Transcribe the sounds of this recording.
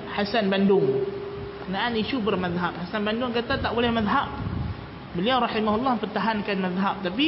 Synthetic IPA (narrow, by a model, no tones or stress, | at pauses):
ħasanbandʊŋ | kənaʔaniʃubərmaðɦap̚hasanbandʊŋkat̪at̪aʔbolɛhmaðɦap̚ | bəliawɾɑħimaɦulːɔhpərt̪aɦankanmaðɦap̚t̪ap̬i